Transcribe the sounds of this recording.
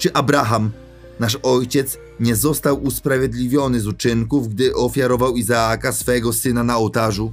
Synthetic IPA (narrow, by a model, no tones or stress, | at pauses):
t͡ʂɘʔabɾaxam | naʂɔjt͡ɕɛt̪s | ɲɛzɔst̪awuspɾavʲjɛd̪lʲivʲjɔnɘzut͡ʂɘŋkuvɡd̪ɘʔɔfʲjaɾɔvawizaakasfɛɡɔsɘnanaɔwt̪aʐu